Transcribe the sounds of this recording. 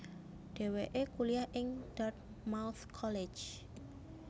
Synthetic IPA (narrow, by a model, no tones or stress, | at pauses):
d̥e̤weʔekuliahʔɪŋd̥ɔt̪̚ | mawθkʰɔle̥t͡ʃ